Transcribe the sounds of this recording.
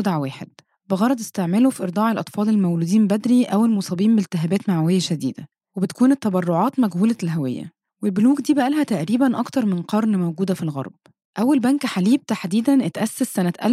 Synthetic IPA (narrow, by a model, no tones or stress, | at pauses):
d̪ʕwæːħḛd̪̥ | beɣɑɾˤɑd̪ˤest̪eʕmeːlofiʔeɾd̪ˤɑːʕelʔɑt̪ˤfɑːlelmæwluːd̪iːmbæd̪ɾiʔæwelmosˤɑːbiːmbelt̪ːɪɦæːbæːt̪maʕawejːæʃæd̪ḭːd̪æ | webet̪æ̥kuːnet̪ːɑbɑrˤːoʕɑːt̪mæɡhuːlælɦæwejːæ̰ | welboluːɡd̪iːbæʔælhæt̪æʔɾiːbænʔɑkt̪ɑɾˤmenqɑɾˤnmæwɡuːd̪æfilɣɑ̰ɾˤb̥ | ʔæwːælbænkħaliːb̚t̪aħd̪iːd̪ænʔet̪ʔæsːæsːænæt̪ʔæ̰l